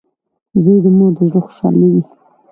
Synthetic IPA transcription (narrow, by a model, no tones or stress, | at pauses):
zujd̪əmuɾd̪əʒɽəxʊ̥ʃɑ̰liwi